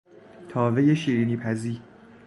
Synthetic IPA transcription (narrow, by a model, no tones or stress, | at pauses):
t̪ʰɒːve̞je̞ʃiːɾiːniːpʰæziːɾ